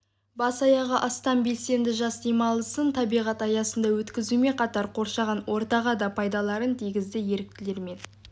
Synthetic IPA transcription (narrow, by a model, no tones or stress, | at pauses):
bɑsɑjɑʁəʔɑst̪ɑnbe̞lse̞nd̪ɪʒɑsd̪emɑlˠəsənt̪ʰɑbijʁɑt̪ɑjɑsənd̪ɑwɵt̪kʲɪzume̞qʰɑt̪ɑɾqʰo̞ɾʃɑʁɑnwo̞ɾt̪ɑʁɑd̪ɑpʰɑjd̪ɑlˠɑɾənt̪ʰijɡʲɪzd̪ɪje̞ɾɪk̚t̪ɪle̞ɾme̞n